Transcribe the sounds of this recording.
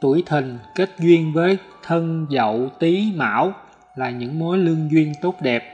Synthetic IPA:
t̪u˧˩əjt̪ʰï˨˩ŋ̟ke˦˥t̚zwi˧ənvəː˨˦j | t̪ʰə˧nzə̰˧˨wt̪i˨˦ma̰ː˧˥w | laː˨˩ɲɨ̰˧˥ŋmo˨˦jlɨ˧əŋzwi˧ənt̪o˦˥t̚ɗɛ˨˩p̚

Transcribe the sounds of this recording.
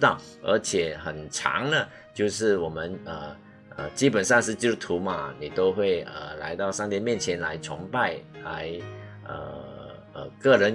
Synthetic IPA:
t̪ɑ˥˩ʊ | ə̰˞˧˥t͡ɕʰjɛ˨˩xə˨˩nʈ͡ʂʰɑ̰˧˥ŋnə˨ | t͡ɕjo˥˧ʊʂɻ̩˥˩wɔ˨˩mə˧˦nə˨˩ | ə˩t͡ɕi˥pə˨˩nʂɑ˥˧ŋʂ̬ɻ̩˥˧t͡ɕi˥˩t̪ʰu˨˧˥mɐ˧ni˨˩t̪o˥ʊxwe˥˩ɪə˩la˧˥ɪt̪ɑ˥˧ʊʂɑ˥˧ŋt̪jɛ˥˧nmjɛ˥˩nt͡ɕʰjɛ˧˥nla˧˥ɪt͡sʰʊ̰˧˥ŋpa˥˩ɪla̰˧˥ɪ | ə̰˧˩ | ə̰˨˩kɤ˥˩ɻə˧˦n

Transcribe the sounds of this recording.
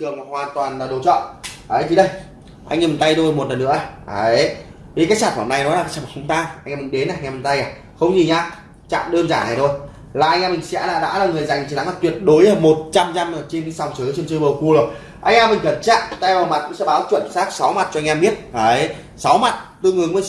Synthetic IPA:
t̪ɨ˨˩əŋma˨˩hwaː˨˩nt̪waː˨˩naː˨˩ɗo̰˧˩t͡ɕɔ̰˧˨nʔəː˨˦jt̪ʰi˨˩ɗə˧j | ʔa̰˧jŋːɛ˧m˨˩nt̪a˧jto˧mo˨˩t̚lə˨˩nːɨ̰˧˥əa˨˩a˨ | vi˨˩kaː˨˦˥j̚t͡ɕaː˧˩t̚maː˧˩na˨˧˩jnɔ˨˦la˨kaː˦˥t͡ɕaː˧˩ma˨˩˧ŋ͡mt̪aː˧ʔa˧ŋʔɛ˧mi˨˩ŋ̟ɗe˨˦naː˨˩ŋɛ˧m˨˩nt̪a˧jaː˨˩ | xə˧wŋ͡mzi˨˩ɲaː˧ | t͡ɕa̰ː˧˨mɗəː˧nzaː˧˩na˨˩t̪ʰo˧j | laː˨˩ʔa˧jŋ̟ʔɛ˧mːï˨˩ŋ̟sɛ̰˧˥laː˧˩ɗa̰ː˧˥laː˨˩ŋɨ˨˩əjza˨˩jŋ̟t͡ɕ̪i˧˨˩na˨˦ŋma˧˩t̪wi˨˩ət̚ɗo˨˦jaː˧˩mo˨˩t̚t͡ɕa˧mza˧məː˨˩t͡ɕe˧ni˨˦sa˨˧˩wŋ͡mt͡ɕɨ˨˦t͡ɕi˧nt͡ɕɨ˧ɓə˨˧˩ku˧lo˨˩ | ʔa˧jʔɛ˧mːï˨˩ŋ̟ɣə˧˩nt͡ɕa̰ː˧˨m˨˩t̪ɛ˧wʔəː˨˩ma˨˩t̚ku˧˦ŋ͡msɛ̰˧˥ɓaː˨˦wt͡ɕwə̰˧˨nsaː˦˥k̚sa˨˦wma˨˩t̚t͡ɕɔ˧jŋʔɛ˧mɓi˦˥ət̚əː˨˩j | sa˨˦wma˨˩t̚t̪ɨ˧ŋɨ˨˩əkə˧˨˩

